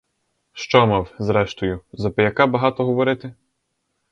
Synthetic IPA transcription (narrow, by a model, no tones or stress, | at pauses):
ʃt͡ʃɔmɑwzɾɛʃt̪ɔjʊzɐpɪjɐkɑbɐɦɑt̪ɔɦɔʋɔɾɪt̪ɪ